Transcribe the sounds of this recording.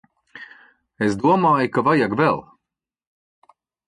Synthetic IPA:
esd̪uɔmaːjukavajakvɛlˠ

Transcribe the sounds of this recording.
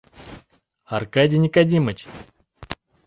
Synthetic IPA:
arkadʲinʲikadʲimət͡ɕ

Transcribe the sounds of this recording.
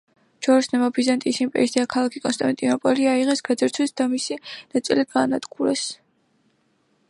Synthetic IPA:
d͡ʒɔɾsnɛmabizant̪ʼisimpʼɛ̰ɾisd̪akʰalˠakʰikʼɔnst̪ʼa̰nt̪ʼinɔpʼɔliaiʁɛsɡad̪zɛɾt̪sʰwisd̪amisinat̪sʼḭlid̪̚ɡaːnat̪ɡuɾɛs

